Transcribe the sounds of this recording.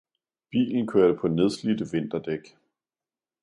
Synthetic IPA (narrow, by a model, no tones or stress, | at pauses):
b̥ḭːln̩kʰøɐɾ̥əpʰɒ̽ne̝ð̞ˠslid̥əʋe̝n̰d̥ɐd̥eɡ̥